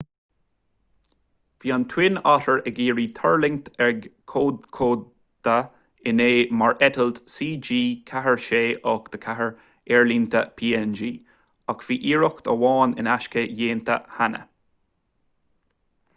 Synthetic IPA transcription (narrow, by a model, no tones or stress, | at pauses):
v̥iːant̪ʰwɪnɑtəɹəɡiːɹiːt̪ʰəɹlɪŋt̪ɛɹɡkʰoːkʰoː | d̪̥ə | ɪneːmaɹɛt̪əlt̪siːd͡ʒiːkʰaɦəɹʃeːʔɔːkd̪̥əkʰaɦəɹ | ɛɹlint̪ʰəpʰiːɛnd͡ʒiː | akfiːʔiːɹʊkt̪ə̰wɑːnɪ̰naʃkəjeːnt̪ʰə̰hanə̰